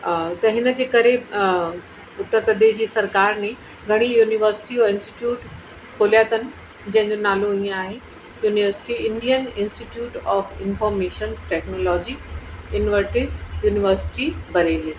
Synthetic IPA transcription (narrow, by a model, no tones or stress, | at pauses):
t̪ɐɦɪnəd͡ʑeːkɐɾe | ʊt̪ːəɾpɾɐd̪eːʃd͡ʑiːsɐɾkaːɾnẽ | ɡʱɐɽ̃ijuːniʋəɾsɪ̥ʈioɪ̃nsʈi̥ʈjuːʈ | kʰoːlijaːt̪ənɪ̆ | d͡ʑɐ̃ɦɪ̃ɲd͡ʑonaːloĩːẽaːɦe | juːnɪʋəɾsɪ̥ʈiɪ̃ɳɖijənɪ̃nsʈiʈjuːʈɔːfɪnfɔːɾmeːʃənsʈɛːknoːlɔːd͡ʑiɪnʋəɾʈɪsjuːnɪʋəɾsɪ̥ʈibɐɾeliə